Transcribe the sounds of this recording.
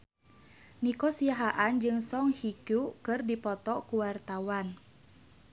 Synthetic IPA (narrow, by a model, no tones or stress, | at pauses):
nikɔsiaɦaʔand͡ʒɨŋsɔŋhikukɨrdipɔt̪ɔkuwart̪awan